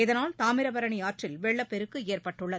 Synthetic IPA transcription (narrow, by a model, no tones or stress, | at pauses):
ɪðɐnaːlt̪aːmɪɾɐbɐɾɐɳɪaːʈrɪlʋɛɭːɐpːɛɾɯkːɯeːrpɐʈːɯɭːɐð